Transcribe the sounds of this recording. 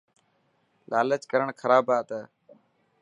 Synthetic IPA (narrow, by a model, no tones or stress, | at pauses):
laːlət͡ʃkəɾəɳkʰəɾaːbaːt̪aː